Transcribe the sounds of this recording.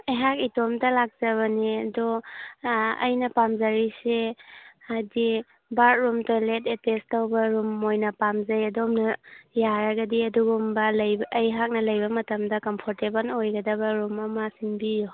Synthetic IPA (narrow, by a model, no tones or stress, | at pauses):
jɦakitomdɐlak̚z̥ɐβɐniɐdɔ | ɐ̰jnɐpamzɐɾise | adi | baɾt̚ɾumtoletetestɐwbɐɾumːojnɐpamzɐjɐdomnɐjaɾɐɡɐdiɐduɡumbɐljːjɦak̚nɐlɐjbɐmɐtɐmdɐkɐmpʰoɾtebɐlojɡɐdɐbɐɾumɐmɐsinbijo